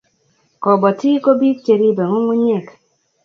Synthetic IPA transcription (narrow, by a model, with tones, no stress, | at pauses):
kɔ˨bɔ˨ti˦ko˦bi˦t͡ʃe˨ɾi˦be˨ŋʊ˦ŋu˦ɲɛ˦˨k